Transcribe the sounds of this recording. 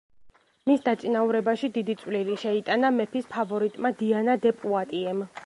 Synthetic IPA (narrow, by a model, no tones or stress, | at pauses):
misd̪at̪sʼinauɾɛbaʃid̪id̪it̪sʼwliliʃɛit̪ʼanamɛpʰispʰavɔɾit̪ʼmad̪ianad̪ɛpʼuat̪ʼiɛm